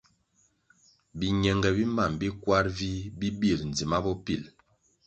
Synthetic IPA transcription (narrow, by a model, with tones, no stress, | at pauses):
bi˨ɲɛ˨ŋɡɛ˨bi˦ma˦˨mbi˦kwa˦ɾvi˦bi˦bi˦˨ln˨d͡zi˨ma˦bɔ˦pi˦˨l